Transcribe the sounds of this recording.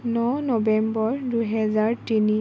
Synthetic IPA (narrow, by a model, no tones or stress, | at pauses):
nɔnɔbɛmbɔɹdujɦɛzaɹtini